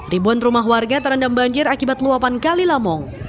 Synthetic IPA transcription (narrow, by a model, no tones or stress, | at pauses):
ribuanrumaɦwarɡat̪əɾandambaɲd͡ʒɪɾakibat̪luapankalilamɔŋ